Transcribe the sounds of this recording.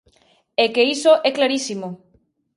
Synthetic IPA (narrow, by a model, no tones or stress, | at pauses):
ekeisoʔɛklaɾisimo